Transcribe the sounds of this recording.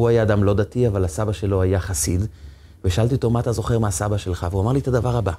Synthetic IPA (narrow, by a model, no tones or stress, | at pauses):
uajaːd̪amlo̞d̪at̪iavalhasabaʃe̞lo̞ajaχasid̪ | veʃaalt̪iot̪o̞mat̪azo̞χe̞ʁmeasabaʃe̞lχaveuamaʁliet̪ad̪avaʁaba